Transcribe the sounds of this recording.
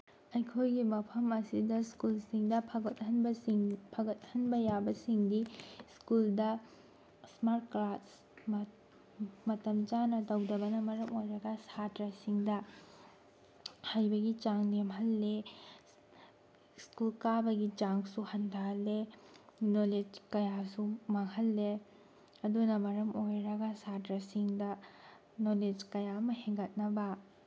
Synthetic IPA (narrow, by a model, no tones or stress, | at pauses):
ɐjkʰojɡimɐpʰɐmɐsidɐskulsiŋdɐpʰɐɡɐt̚hɐnbɐŋpʰɐɡɐt̚hɐnbɐjabɐsiŋdiskuldɐ | smaɾtkɾat̚s | m | mɐtɐmd͡ʒanɐdɐwdɐbɐnɐmɐɾɐmojɾɐɡɐsadɾasiŋdɐ | hajbɐɡid͡ʒaŋnemɦɐlːe | skulkabɐɡid͡ʒaŋsuhɐndale | noled͡ʒkɐjasumaŋhɐlːe | ɐdunɐmɐɾɐmojɾɐɡɐsadɾɐsiŋdɐ | noled͡ʒkɐjaɐmɐheŋɡɐt̚nɐbɐ